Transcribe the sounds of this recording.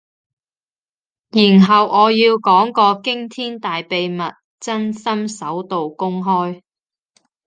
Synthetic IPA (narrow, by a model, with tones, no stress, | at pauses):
jiː˨˩nɦɐ˨wʔɔː˨˧jiː˧wkɔː˨˥ŋkɔː˧kɪ˥ŋt̪ʰiː˥nt̪aː˨jpe˨jmɐ˨t̚ | t͡sɐ˥nsɐ˥msɐ˨˥wt̪o˨wkʊ˥ŋɦɔː˥j